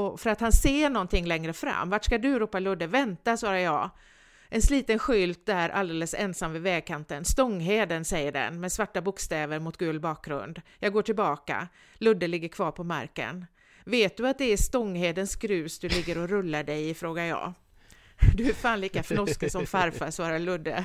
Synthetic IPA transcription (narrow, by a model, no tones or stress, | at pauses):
ɔfœɾat̪hanseːɳɔnt̪ʰɪŋːlɛŋɾəfɾa̰mːvaʈʂkad̪ɵɾuːpːalɵd̪ːəvɛnt̪asvɑːɾajɑː | ʔɛnsliːt̪ənɧʏlt̪æɾʔa̰ld̪eːləsɛ̰nsamvɪvɛːɡ̚kʰant̪ənst̪ɔŋːɦeːd̪ənsɛjːəɖɛ̰nmɛsvaʈːabʊkst̪ɛːvəɾmʊt̪̚ɡʉːlbɑːk̚ɡɾɵ̰nd̪jɑːɡoːʈʰɪlbɑːka̰ | lɵd̪ːəlɪɡːəɾkʰv̥ɑːɾpʰɔma̰ɾkə̰n | veːt̪̚d̪ɵat̪̚d̪ɛæst̪ɔŋːɦeːd̪ənskɾʉ̟ːsd̪ɵlɪɡːəɾɔɾɵlːaɖɛjfɾoːɡajɑ̰ː | d̪ɵæfaːnliːkafnɔskəsɔmfaɾfasvɑːɾalɵd̪ːə